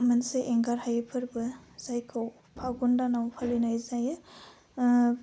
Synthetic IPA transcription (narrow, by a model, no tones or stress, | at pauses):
manseʔeŋɡaɾhajepʰɯɾbɯz̥ajkʰɯw | pʰaɡundanawpʰalinajzajɯ